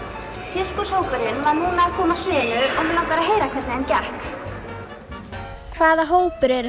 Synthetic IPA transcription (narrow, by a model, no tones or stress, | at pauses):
sjɪr̥kʏ̥saːwpʏɾɪnvaɾnuːnaːðkʰɔːmasʏːnʏʔɔɣmɛlaːwkaɾaɦeːjɾakʰvɛt̪nɪɛncɛhk | kʰvaːðaɦoːwpʏɾɛɾ